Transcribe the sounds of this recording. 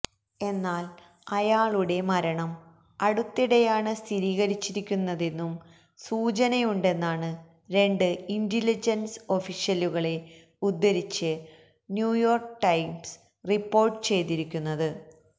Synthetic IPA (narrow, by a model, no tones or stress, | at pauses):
e̞nːaːl | ɐjaːɭuɽe̞mɐɾɐɳɐm | ɐɽut̪ːiɽejaːɳɨst̪ʰiɾiːɣɐɾit͡ɕːiɾikʲːunːɐðe̞nːum | suːt͡ɕɐnɐjuɳɖe̞nːaːɳɨ | ɾe̞ɳɖɨindilid͡ʑɐnso̞fiʂjɐluɣɐɭe̞ | ud̪ːɐɾit͡ɕːɨ | njuːjo̞ːrkʈɐjms | ripːo̞ːrʈɨt͡ɕe̞jt̪iɾikʲːunːɐðɨ